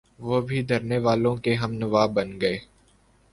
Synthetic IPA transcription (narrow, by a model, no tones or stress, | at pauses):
ʋoːbʱid̪ʱɐɾneʋaːlõkeɦɐmnəʋaːbɐnɡɐeː